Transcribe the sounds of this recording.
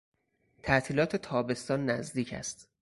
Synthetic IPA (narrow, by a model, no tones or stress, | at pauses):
t̪ʰæʔt̪ʰiːlɒːt̪ʰe̞t̪ʰɒːbe̞st̪ɒːnːæzd̪iːcʰæ̰st̪